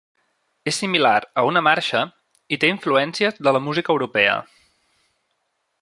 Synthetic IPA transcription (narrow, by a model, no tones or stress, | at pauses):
esːimilaɾəunəmaɾʃə | it̪eiɱfluɛnsiəzðələmuzikəwɾupɛə̰